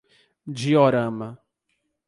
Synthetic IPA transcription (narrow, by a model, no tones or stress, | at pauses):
d͡ʒioɾɐ̃mɐ